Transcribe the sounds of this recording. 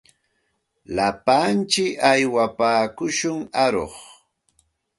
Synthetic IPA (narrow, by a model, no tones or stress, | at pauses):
lapant͡ʃɪkajwapaːkʊʃʊŋaɾo̰χ